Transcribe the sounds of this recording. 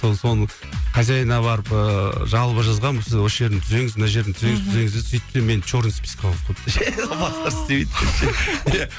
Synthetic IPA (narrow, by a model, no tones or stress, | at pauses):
soso̞nəɴ | qʰɑzɑjənɑbɑɾəpəʒɑlˠpəʒɑzʁɑnbosɪzwosʒe̞ɾd̪ɪnt̪ʰʏze̞ŋɪzmɪnɑʒed̪ɪnt̪ʰze̞ŋɪzt̪ʰʏze̞ŋɪzd̪ezsʏjt̪̚ʰːsemːent͡ʃoɾnspʲi̥skʰɑlˠzqʰkʰøp̚t̪ʒæobɑst̪ɑɾɪ̥t̪ebejd̪ʲʰeʃeja